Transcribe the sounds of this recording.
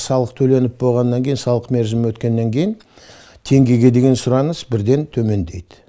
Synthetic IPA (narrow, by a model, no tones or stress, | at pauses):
sɑlˠəq̚t̪ʰɵle̞nɪp̚bo̞lˠʁɑnːɑŋkʲe̞jɪnsɑlˠəqme̞ɾʒɪmɪwɵt̪kʲe̞nːe̞ŋkʲʰe̞jɪn | t̪ʰe̞ŋɡʲe̞ɡʲe̞d̪e̞ɡʲe̞nsʊɾɑnəsbɪɾd̪e̞nt̪ʰɵme̞nd̪e̞jd̪̥ɪ̥